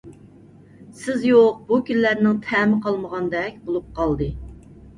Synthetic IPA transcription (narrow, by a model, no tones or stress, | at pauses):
sɪzjoq̚bukʲillæɾnɪŋt̪ʰɛmɨqʰɑlˠməʁɑnd̪ɛk̚ʲbolˠup̚qʰɑlˠd̪ɨ